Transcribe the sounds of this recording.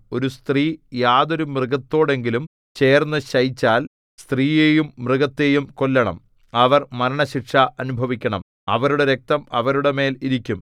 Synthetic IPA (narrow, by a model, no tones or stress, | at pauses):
o̞ɾust̪riːjaːðo̞ɾumrɨɡɐt̪ːo̞ːɽe̞ŋɡilum | t͡ɕe̞ːrnːɐɕɐjt͡ɕːaːl | st̪riːje̞ːjumːrɨɣɐt̪ːe̞jumko̞lːɐɳɐ̰m | ɐʋɐrmɐɾɐɳɐɕikʂɐɐnubʱɐʋikʲːɐɳɐm | ɐ̰ʋɐɾuɽeɾe̞k̚t̪ɐmɐ̰ʋɐɾuɽeme̞ːliɾikʲːum